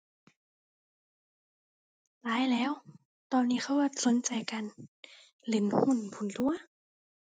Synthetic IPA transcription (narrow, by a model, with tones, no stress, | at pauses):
laː˨˦˥jlɛː˦˥˨w | t̪ɔː˧nːiː˧˥˩xʰa˧˥˨wʔaː˧˩so˨˦nt͡ɕa˨jka˨n | le˧˩nhu˧˥˨npʰu˨˧˩nt̪u˧˩ɐ˨